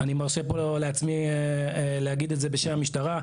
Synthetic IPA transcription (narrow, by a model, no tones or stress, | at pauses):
animaʁʃepololeat͡smi | lehaɡid̪etze̞be̞ʃenamiʃtaʁa